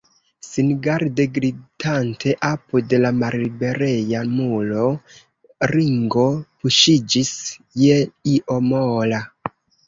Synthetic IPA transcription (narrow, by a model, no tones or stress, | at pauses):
sinɡaɾdeɡɾidantʰe̞ʔapude̞lamaɾlibe̞ɾejamulo̞ | ɾiŋɡo̞puʃid͡ʒisjeiʔomola